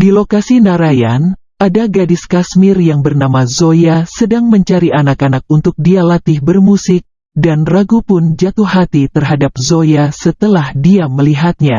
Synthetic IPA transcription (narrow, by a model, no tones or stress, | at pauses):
dilokasinaɾaja̰n | ʔadaɡadɪskasmɪrjaŋbərnamazojasədaŋməɲt͡ʃaɾiʔanakanak̚unt̪ʊk̚dialat̪ɪhbərmusɪk̚ | danraɡupʊnd͡ʒat̪uhɦat̪it̪ərɦadap̚zojasət̪əlahdiaməliɦat̪̚ɲa̰